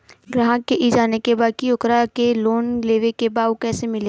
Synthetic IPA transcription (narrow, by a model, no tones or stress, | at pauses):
ɡɾaːɦə̃keʔid͡ʒaːnekebaːkiʊkɾakeloːnleːʋekebaːwkɛːsemɪle